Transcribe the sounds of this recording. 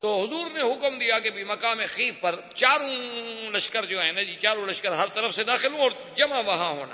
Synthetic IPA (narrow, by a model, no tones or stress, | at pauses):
t̪oːɦʊzuːɾneɦʊkmd̪ijakebʱimɐkaːmexiːfpɐɾ | t͡ʃaːɾũlɐʃkəɾd͡ʒoːɦɛːnad͡ʒiːt͡ʃaːɾõlɐʃkəɾɦɐɾt̪ɐɾəfsed̪aːxɪlɦũɔːɾ | d͡ʒɐmaʋɐɦãɦo̰ːna̰